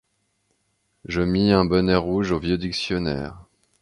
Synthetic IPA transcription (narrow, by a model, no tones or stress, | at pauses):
ʒəmiɛ̃bənɛʁuʒovjød̪iksjɔnɛ̰ːʁ